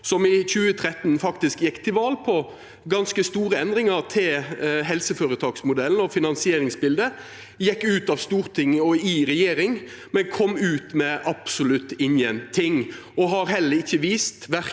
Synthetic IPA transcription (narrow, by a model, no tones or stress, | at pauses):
sɔmɪçʉːət̪ʰɾɛt̪ːnfɑkt̪ɪskjɛkːt̪ʰɪʋɑːlpʰɔ | ɡɑnskəst̪uːɾəɛnd̪ɾɪŋɑɾt̪ʰɪlɦɛlsəføːɾət̪ʰɑːksmʊd̪ɛln̩ɔfɪnɑnsɪeːɾɪŋsbɪld̪ə | jɛkːʉːt̪ɑʋst̪uːʁt̪ʰɪŋːɔɪɾɛjeːɾɪŋ | mɛnkʰɔmːʉːt̪mɛʔɑpsʊlʉt̪ːɪnjɛnt̪ʰɪŋː | ɔɦɑɾɦɛlːəɾɪçːəʋiːst̪ʋæɾ